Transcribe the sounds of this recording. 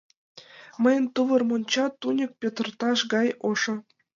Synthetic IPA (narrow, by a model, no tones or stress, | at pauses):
mə̆jə̆nt̪uʋɤ̆rmonʲt͡ɕɑt̪ːunʲə̆k̚pʲet̪rt̪ɑʃɡɑjoʂɤ̆